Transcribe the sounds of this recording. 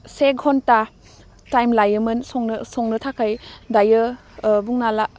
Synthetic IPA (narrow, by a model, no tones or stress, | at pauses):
seɡʱɔnta | tajmlajɯmɯnsɔŋnsɔŋnɯtʰakʰajdajɯ | buŋnala